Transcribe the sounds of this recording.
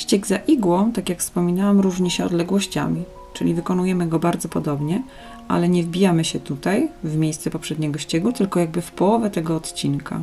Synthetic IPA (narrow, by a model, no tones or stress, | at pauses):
ɕt͡ɕɛɡzaʔiɡwɔ̃t̪akʲjakfspɔmʲinawamɾuʐɲɛɕɛɔ̰d̪lɛɡwɔɕt͡ɕa̰mʲi | t͡ʂɘlʲivɘkɔnujɛmɘɡɔbaɾd̪zɔpɔd̪ɔbɲɛ | ʔa̰lɛɲɛvbʲijamɘɕɛt̪ut̪ajvmʲjejst̪sɛpɔpʂɛd̪ɲɛɡɔɕt͡ɕɛɡut̪ɘlkɔjaɡ̚bɘfpɔwɔvʲɛt̪ɛɡɔːt̪t͡ɕinkʰa̰